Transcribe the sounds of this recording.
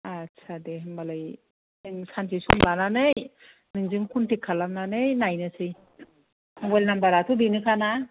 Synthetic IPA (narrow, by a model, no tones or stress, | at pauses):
atsʰadeɦmbalaj | ɯŋsansʰisumlananɯj | nɯŋzɯŋkʰuntikʰːalamnanɯjnajnɯsʰɯj | ɡejlnambaɾatʰudinɯkʰana